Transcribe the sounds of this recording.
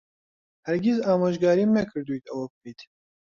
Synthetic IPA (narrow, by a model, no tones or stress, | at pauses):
hɛɾɡʲizaːmaːʒɡaːɾiːmɛkʰɨɾd̪ujt̪ɛwɐkpiːt̪